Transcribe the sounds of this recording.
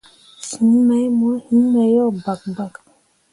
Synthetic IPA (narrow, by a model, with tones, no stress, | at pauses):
si˨˦ma˨˦jmɔ˨˦i˦a˨˦jɔ˦˨ba˨k̚ba˨k